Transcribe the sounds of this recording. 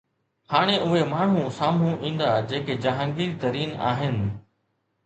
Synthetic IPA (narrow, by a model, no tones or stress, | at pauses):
haːɽ̃eʔʊɦemaːɳ̤ũsaːmũʔĩːn̆d̪ad͡ʑeːked͡ʑɐɦə̃ŋɡiːɾit̪ɐɾiːna̰ːɦɪnɪ̆